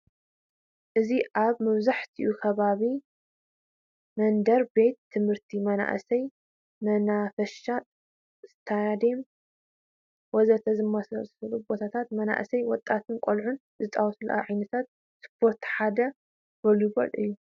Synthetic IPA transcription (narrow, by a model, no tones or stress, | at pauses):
ʔɨziʔaβmɐβzaħt̪ʰiʔukʰɐβaβi | mɐnd̪ɐɾbe̞t̪ʰːɨmhɨɾt̪ʰimɐna̰ʔsɐj | mɐnafɐʃa | z̥ɨt̪ʰajad̪em | wɔzɐt̪ʰɐzɨmːɐsɐsɨlubot̪ʰat̪ʰat̪mɐna̰ʔsɐjwɔt̪ʼːat̪ʰɨnkʷʼolʕun | zɨt̪ʼawsʰluʔa̰ʕajnɐt̪ʰat̪̚ | spʰo̞ɾt̪ħad̪ɐ | bɐljubɐ̰lʔɨ̰jːu